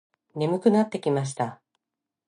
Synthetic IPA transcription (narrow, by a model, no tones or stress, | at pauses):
ne̞mɯ̟kɯ̟nat̪ːe̞kʲimaɕ̬i̥t̪a